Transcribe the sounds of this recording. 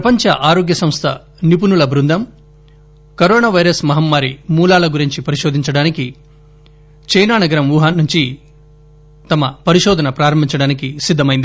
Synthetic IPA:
pɐpɐɲt͡ʃɐ̰ʔaːɾoːɡjɐsɐmst̪ʰɐ | nip̬unulɐbɾund̪ʱɐm | kɐɾoːnaːʋɐjɾɐsmɐɦɐmːaːɾimuːlaːlɐɡuɾiɲt͡ʃipɐɾiʃoːd̪ʱiɲt͡ʃɐɽaːniki | t͡ʃɐjnaːnɐɡɐɾɐmʋuːɦaːnːuɲt͡ʃi | t̪ɐmɐpɐɾiʃɔːd̪ʱɐnɐpɾaːɾɐmbʱiɲt͡ʃɐɽaːnikisid̪ʱːɐmɐjind̪i

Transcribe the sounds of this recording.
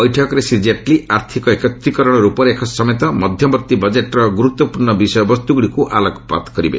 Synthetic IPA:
ɔjʈʰɔkɾesid͡ʒeʈliaɾt̪ʰikɔekɔt̪ɾikɔɾɔɽ̃ɔɾupɔɾekʰɔsɔmet̪ɔmɔd̪ʱjɔbɔt̪ːibɔd͡ʒeʈɾɔɡuɾut̪ːɔpuɾɳɔbisɔjɔbɔst̪uɡuɽikuʔalɔɡʰʱɔpa̰t̪kɔɾibḛ

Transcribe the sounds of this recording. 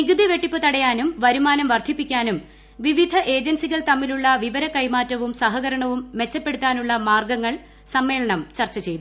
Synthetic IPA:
niɣɨd̪iʋe̞ʈːipːɨt̪ɐɽɐjaːnumʋɐɾumaːnɐmʋɐrd̪ʱipːikʲːaːnum | ʋiʋid̪ʱɐʔe̞ːd͡ʑensiɣɐɭt̪ɐmːiluɭːɐʋiʋɐɾɐkɐjmaːtːɐʋumsɐɦɐɣɐɾɐɳɐʋumːe̞t͡ɕːɐpːe̞ɽut̪ːaːnuɭːɐmaːrɡɐŋːɐɭ | sɐmːe̞ːɭɐɳɐmt͡ɕɐrt͡ɕːɐt͡ɕe̞jt̪u

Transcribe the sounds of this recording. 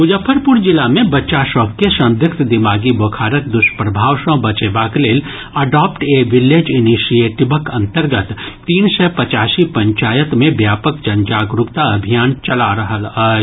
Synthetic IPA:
ʊd͡ʒəpʰːəɾpʊɾd͡ʒɪlamẽbɐtːʃaʃɔːk̚kesɐ̃nd̪ʱjʊkt̪d̪ɪmaːɡiboːkʰaːɾək̚d̪ʊʃpɾɐbʱaːʋʃɔ̃bɐt͡ʃebaːkleːl | ɐɖaːpʈeːʋɪleːd͡ʒɪniʃijeːʈɪbəkɐ̃nt̪əɾɡət̪t̪ːiːnsɛpɐt͡ʃaːsipɐ̃ɲt͡ʃaːjət̪mẽbjaːpəkd͡ʒɐnd͡ʒaːɡɾʊkt̪aɐbʱijaːnt͡ʃɐlaɾɐɦəl

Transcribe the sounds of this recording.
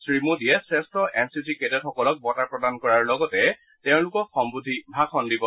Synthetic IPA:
sɹimudijɛsɹɛstɹɔʔɛnsisiketɔtxɔkɔlɔk̚bɔtaɹpɹɔdankɔɹaɹlɔɡɔtɛ | teʊ̃lʊkɔxɔmbud̪ʱibʱakʰɔndibɔ

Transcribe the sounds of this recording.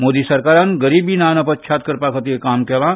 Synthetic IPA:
moːd̪isɐɾkaːɾaːnɡɐɾiːbinaːnɐpɐt̪̚t͡ʃʰaːt̪̚kɐɾpaːkʰɐt̪iekaːmkelã

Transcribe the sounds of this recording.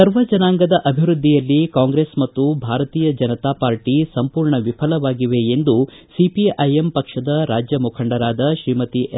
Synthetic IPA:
sɐɾʋɐd͡ʒɐnaːŋɡɐd̪ɐʔɐbʱiɾud̪ʱːijɐlːikaːŋɡɾeːsmɐt̪ːubʱaːɾɐt̪iːjɐd͡ʒɐnɐt̪aːpaːɾʈisɐmpuːɾɳɐʋipʰɐlɐʋaːɡiʋeend̪u | sipiʔɐjempɐkʂɐd̪ɐɾaːd͡ʒjɐmukʰɐɳɖɐɾaːd̪ɐʃɾiːmɐt̪iʔ

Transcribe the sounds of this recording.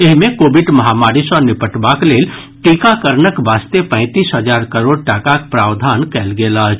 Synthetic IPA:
eɦmẽkoːbɪɖmɐɦaːmaːɾɪsɔːɾnɪpəʈbakleːl | ʈiːkakəɾnəkʋaːst̪epɛ̃ɪ̃t̪iːsɦəd͡ʒaːɾkəɾoːɽ̚ʈakakpɾaːʋd̪ʱaːnkɛːlɡeːlat͡ʃʰ

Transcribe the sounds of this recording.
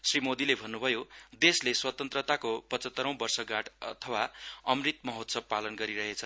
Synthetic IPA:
srimod̪ilebʱʌnːubʱʌjod̪esleswʌt̪ʌnt̪rʌt̪akopʌt͡sʌt̪ːʌɾʌ̃w̃bʌrsʌɡaʈʰʌt̪ʰʌwaʌmrit̪mʌɦot̪sʌb̚palʌnɡʌɾiɾʌɦet͡sʰʌ

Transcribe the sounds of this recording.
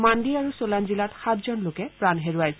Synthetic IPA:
mandiaɹusolanzilatxatʰzɔnlokɛpɹanɦeɹuaj

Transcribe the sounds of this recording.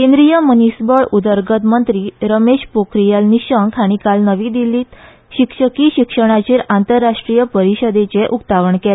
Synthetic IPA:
kẽnd̪ɾijəmənisbəɭud̪əɾɡət̪mənt̪ɾiːɾəmeɕpokɾijalniɕəŋkʰaɽ̃ikalnəʋiːd̪iliːt̪ | ɕikʂəkiɕikʂəɽ̃at͡ɕeːɾant̪əɾːaʂʈɾijəpəɾiɕəd̪et͡seʔukt̪aʋəɳkela

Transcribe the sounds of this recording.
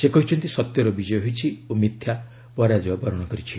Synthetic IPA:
sekɔɦit͡ʃʰɔnt̪isɔt̪jɔɾɔbid͡ʒɔjɔɦojt͡ʃʰiomit̪ʰja | pɔɾad͡ʒɔbabɔɾɔɽ̃ɔkɔɾit͡ʃʰi

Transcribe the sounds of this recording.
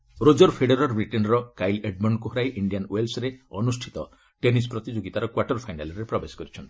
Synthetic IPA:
ɾod͡ʒɔɾpʰeɽeɾɔɾbɾiʈenɾɔkajleɖmɔɳɖkuɦɔɾajʔiɳɖianwelsɾeɔnusʈʰi̥t̪ɔ | ʈenispɾɔt̪id͡ʒoɡit̪aɾɔkwaɾʈɔɾpʰajnalɔɾepɾɔbesɔ̥kɔɾit͡ʃʰɔnt̪i̥

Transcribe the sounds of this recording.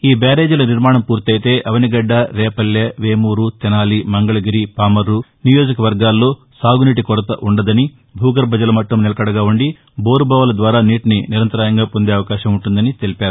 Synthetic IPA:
iːbaːɾe̞ːd͡ʒulɐniɾmaːɳɐmpuːɾt̪ɐjt̪e̞ːʔɐʋɐniɡɐɖːɐɾɛːpɐljɐʋeːmuːɾut̪inaːlimɐŋɡɐɭɐɡiɾipaːmɐɾːunijo̞ːd͡ʒɐkɐʋɐɾɡaːlːo̞ː | saːɡuniʈikɔɾɐt̪ɐʔuɳɖɐd̪ɐni | bʱuːɡɐɾbʱɐd͡ʒɐlɐmɐʈːɐmnɛlɐkɐɽɐɡaːuɳɖi | boːɾubʱaːʋɐlɐd̪ʋaːɾaːniːʈniniɾɐnt̪ɐɾaːjɐŋɡaːpo̞nd̪eːɐʋɐkaːʃɐmuɳʈund̪ɐnit̪e̞lipaːɾu

